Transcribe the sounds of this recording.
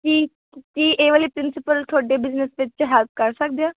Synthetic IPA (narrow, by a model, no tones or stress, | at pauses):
kiː | kiːʔeːʋaːliːpɾɪnsɪpəlt̪ʰoaːɖeːbɪznəsʋɪt͡ʃt͡ʃɦɛːlp̚ʰkəɾsək̚d̪eaː